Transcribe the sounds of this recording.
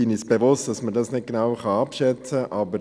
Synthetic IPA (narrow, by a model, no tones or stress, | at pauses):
ɪnisb̥evʊst̚d̥ɑsmədɑsnɪt̚ɡ̥enɑwχɑɑpʃɛt͡səʔʔɑbə